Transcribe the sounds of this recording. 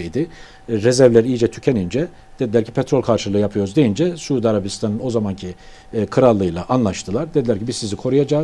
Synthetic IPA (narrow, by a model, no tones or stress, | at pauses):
jd̪ɪ | ɾezæɾvlʲæɾijid͡ʒɛt̪ʰy̥cʰenind͡ʒɛ | d̪̥e̞d̪ilʲæɾcʰi̥pʰɛt̪ɾo̞lʲkʰaɾʃɯlˠɯjapʰɯjo̞ɾuzd̪e̞jind͡ʒɛsuːd̪aɾabist̪ʰanɯno̞zamancʰi | kʰɯɾalˠːɯjlˠaʔanlˠaʃt̪ʰɯlˠaɾd̪ed̪ilʲæɾcʰibizsizikʰo̞ɾujad͡ʒaːz